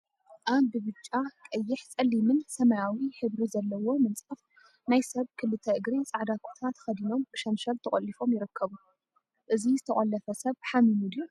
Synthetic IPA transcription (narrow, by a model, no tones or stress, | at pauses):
ʔaβbɨβɨt͡ʃʼːakʼɐjːɪħt͡sʼɐlːimɨnsɐmajawiħɨβɾizɐlːɐwo̞mɨnt͡sʼɐf | najsɐβkʰɨlːɨt̪ʰɐʔɨɡɾit͡sʼaʕd̪akʰu̥t̪ʰat̪xɐd̪ino̞mb̥ɨʃɐnʃɐlt̪ʰɨχʼɐlːifo̞mjɪɾɨkʰːɐβu | ʔɨzizɨt̪ʰɐχʼɐlːɐfɐsɐβħaminud̪u